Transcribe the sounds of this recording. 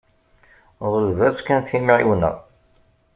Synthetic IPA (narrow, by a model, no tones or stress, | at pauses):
ðˤəlvæskænθimiʕiwnə̰ʁ